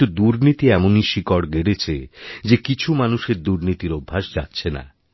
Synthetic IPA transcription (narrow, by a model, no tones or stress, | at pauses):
ud̪uɾnit̪iɛmoniʃikɔɽɡeɽet͡ɕʰed͡ʑekit͡ɕʰumanuʃeɾd̪uɾnit̪iɾobʱːaʃd͡ʑa̰tːɕʰena̰